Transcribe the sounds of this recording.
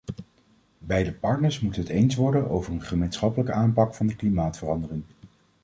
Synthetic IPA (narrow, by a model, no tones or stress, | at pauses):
bɛjdəpɑɹtnəɹsmutənɦətejnsʋɔɹdənowvəɹənχəmejnsχɑpələkəʔaːmpɑkfɑndəklimaːtfərɑndərɪŋ